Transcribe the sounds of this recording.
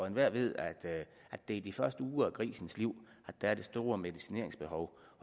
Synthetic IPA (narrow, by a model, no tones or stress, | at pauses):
enʋæɐ̰ʋe̝ð̞̰ˠæd̥ | ʔæd̥e̝id̥ifɶɐsd̥əuːɐækʰʁḭːsn̩sliʊ̰ | æd̥ææɐd̥e̝sd̥o̝ːɐmeðˠisine̝ɐ̰e̝ŋsb̥e̝hɒʊ